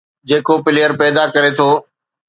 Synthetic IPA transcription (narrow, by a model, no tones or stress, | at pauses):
d͡ʑeːkopɪlɪjəɾpɛːd̪akɐɾet̪ʰoː